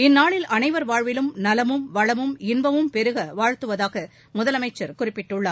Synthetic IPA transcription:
ɪnːaːɭɪlɐnɐɪʋɐɾʋaːɻʋɪlɯmnɐlɐmɯmʋɐɻɐmɯmɪnbɐmɯmpɛɾɯɣɐʋaːɻt̪ɯʋɐðaːɣɐ | mʊðɐlɐmɐɪt͡ʃːɐɾkʊrɪpːɪʈːɯɭːaːɾ

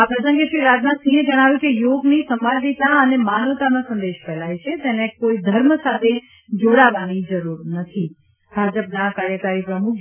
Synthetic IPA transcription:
apɾəsə̃ŋɡeʃɾiɾaːd͡ʒnãsĩːɦə̃d͡ʒɐɽ̃aːʋjũkejoːɡnisɐ̃mbalit̪ãɐnemaːnəʋt̪anãsɐ̃nd̪eːʃpɛːlaːit͡ʃʰet̪ɛ̃ːnẽkoːid̪ʱɐɾməsaːt̪ʰe | d͡ʒoɽaʋanid͡ʒɐɾuɾnɐt̪ʰi | bʱaːd͡ʒəpnãkaɾjəkaɾipɾəmʊkʰ

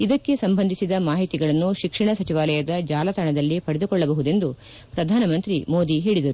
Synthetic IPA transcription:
id̪ɐkːe̞sɐmbɐnd̪ʱisid̪ɐmaːɦit̪iɡɐɭɐnːuʃikʂɐɳɐsɐt͡ʃiʋaːlɐjɐd̪ɐd͡ʒaːlɐt̪ʰɐɳɐd̪ɐlːipɐɽed̪ukɔɭːɐbɐɦud̪e̞nd̪u | pɾɐd̪ʱaːnɐmɐnt̪ɾimo̞ːd̪iɦeːɭid̪ɐɾu

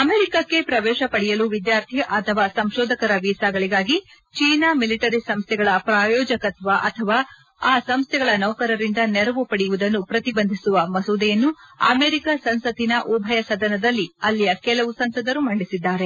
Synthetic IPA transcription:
ɐmeːɾikɐkːe̞pɾɐʋɛːʃɐpɐɽijɐluʋid̪jaːɾt̪ʰiʔɐt̪ʰɐʋaːsɐmʃɔːd̪ʱɐkɐɾɐʋiːsaːɡɐɭiɡaːɡi | t͡ʃiːnaːmiliʈɐɾisɐmst̪ʰɛɡɐɭɐpɾaːjɔːd͡ʒɐkɐt̪ʰʋaʔɐt̪ʰɐʋaː | aːsɐmst̪ʰɛɡɐɭɐnɐwkɐɾɐɾind̪ɐnɛɾɐʋupɐɽijuʋud̪ɐnːupɾɐt̪ibɐnd̪ʱisuʋɐmɐsuːd̪ɛjɐnːuɐ̰meːɾikasɐnsɐt̪inɐʔubʱɐjɐsɐd̪ɐnɐd̪ɐlːiɐlːijɐkɛlɐʋusɐmsɐd̪ɐɾumɐɳɖisid̪ːaːɾe̞

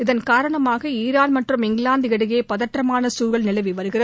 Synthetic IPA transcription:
ɪðɐnkaːɾɐɳɐmaːɣɐiːɾaːnmɐʈrɯmɪŋɡɭaːnd̪ɪɐɽɯɣeːpɐðɐʈrɐmaːnɐsuːɾɣɐɭnɪlɐɪʋiʋɐɾɯɣɪrɐð

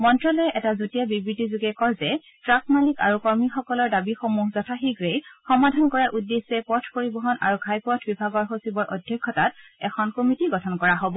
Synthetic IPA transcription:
mɔntɹɔlɔɛʔɛtazotijabibɹitizuɡɛkɔɹzɛ | tɹakmalika̰ɹukɔɹmixɔkɔlɔɹdabixomuɦzɔtʰaxiɡɹejxɔmadʱankɔɹaʔudːesːɛpɔtʰpoɹibɔɦɔnʔa̰ɹuɡʱajpɔtʰbibʱaɡɔɹxosibɔɹʔodʱjɔkʰːɔtat̚ɛkʰɔnkomitiɡɔtʰɔnkɔɹaɦobɔ

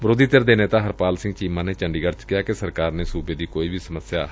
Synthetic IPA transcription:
ʋəɾoːd̪iːt̪ɪɾd̪eːneːt̪ãːɦəɾpaːlsɪ̃ŋɡt͡ʃiːmãːneːt͡ʃəɳɖiːɡəɾt͡ʃkɪjaːkesəɾkaːɾneːsuːbeːd̪iːkoːiːbʱiːsəməsjaː

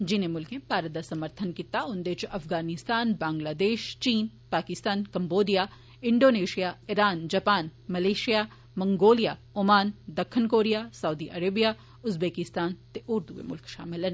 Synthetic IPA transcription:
d͡ʒɪnẽmʊlkẽpaːɾəd̪asɐməɾt̪ʰənkit̪aʊnd̪eːt͡ʃʔɐfɡaːnɪst̪aːnbãːŋɡlaːd̪eːʃt͡ʃiːn | paːkɪst̪aːnkɐmboːd̪ija | ɪ̃ɳɖoːneːʃijaɪɾaːnd͡ʒɐpaːnmɐleːʃija | mɐ̃ŋɡoːlija | ʊmaːnd̪ɐkʰːənkoːɾijasɐwd̪iʔɐɾeːbija | ʊzbeːkɪst̪aːnt̪eʔʊɾd̪uḛmʊ̰lkʃa̰ːmɪlɐn

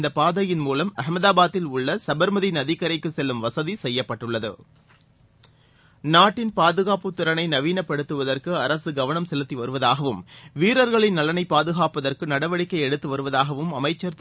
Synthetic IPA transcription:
nd̪ɐpaːðɐjɪnmuːlɐmɐhmɐðaːbaːt̪ːɪlʊɭːɐsɐbɐɾmɐðinɐðikːɐɾɐɪkːɯsɛlːɯmʋɐsɐðisɛjːɐpːɐʈːɯɭːɐðɯ̰ | naːʈːɪnpaːðɯɣaːpɯt̪ːɪɾɐnɐɪnɐʋiːnɐpːɐɽɯt̪ːɯʋɐðɐrkɯɐɾɐsɯɡɐʋɐɳɐmsɛlɯt̪ːiʋɐɾɯʋɐðaːɣɐʋɯmʋiːɾɐɾɣɐɭɪnnːɐlɐnɐɪpːaːðɯɣaːpɐðɐrkɯnɐɽɐʋɐɽɪkːɐɪɛɽɯt̪ːɯʋɐɾɯʋɐðaːɣɐʋɯmɐmɐɪt͡ʃːɐɾt̪

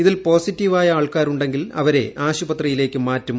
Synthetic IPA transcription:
iðilpo̞ːsitːiʋaːjɐaːɭkaːɾuɳɖe̞ŋɡilɐʋɐɾe̞̰aːɕubɐt̪rɐjile̞ːkʲːɨmaːtːum

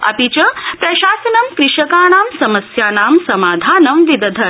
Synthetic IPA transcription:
ɐ̰pit͡ʃɐpɾɐʃaːsɐnɐmkɾɪʂɐkaːnaːmsɐmɐsjaːnaːmsɐmaːd̪ʱaːnɐmʋid̪ɐd̪ʱɐ

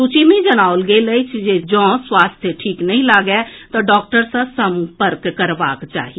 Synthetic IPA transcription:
sut͡ʃimẽd͡ʒənaːʊlɡeleit͡ʃʰed͡ʒɔ̃ːswaːst̪ʰjəʈʰiːknɐɦĩlaːɡɛt̪oɖɔːk̚ʈəɾsə̃sə̃mpəɾkːəɾʋaːkt͡ʃa̰ːɦie

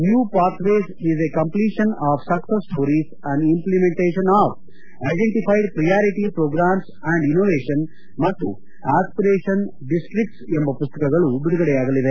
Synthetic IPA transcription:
njuːpaːɾt̪ʋeːsizekɐ̃mpliːʃɐnaːʋsɐksesʈʰoːɾis | æ̃ɳɖimplimẽɳʈeːʃɐnaːf | ɐjɖeɳʈipʰajɖpɾɐjaːɾiʈipɾoːɡɾaːms | æ̃ɳɖinoːʋeːʃɐn | mɐt̪ːu | aːspiɾeːʃɐn | ɖisʈɾik̚ʈsembɐpust̪ɐkɐɡɐɭubiɽuɡɐɽeaːɡɐlid̪e

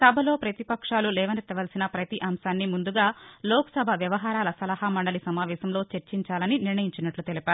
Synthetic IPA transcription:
sɐbʱɐlo̞ːpɾɐt̪ipɐkʂaːlulɛːʋɐnit̪ːɐʋɐːlsinɐpɾɐt̪iʔɐmʃaːnːimund̪uɡaːlɔːkɐsɐbʱɐʋjɐʋɐɦaːɾaːlɐsɐlɐhamɐɳɖɐlisɐmaːʋɛːʃɐmlo̞ːt͡ʃeɾt͡ʃiɲt͡ʃaːlɐniniɾɳɐjiɲt͡ʃinɐʈlut̪elipaːɾu

